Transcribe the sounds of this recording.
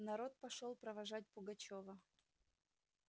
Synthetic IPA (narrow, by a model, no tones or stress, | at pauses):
nɐɾo̞t̪̚pɐʂolˠpɾəvɐʐat̬̚ʲpʊɡɐt͡ɕovə